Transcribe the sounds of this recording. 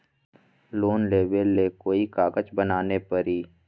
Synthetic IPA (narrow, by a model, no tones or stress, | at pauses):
loːnleːbelːekoːikaːɡət͡ʃbənaːnepəɾiː